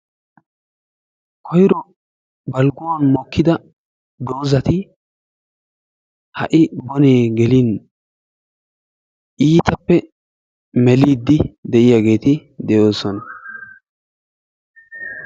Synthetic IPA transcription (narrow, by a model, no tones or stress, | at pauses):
kʰɔjɾɔ | bɐlɡʊwanmɔkʰːɪd̪ɐ | d̪o̞ːzɐt̪ɪ | hɐ̰ʔɪbɔneːɡɛlin | ʔiːt̪ɐpːɛ | mɛliːd̪ːɪd̪ɛʔɪjaɡe̞ːt̪ɪd̪ɛjo̞ːsɔnɐ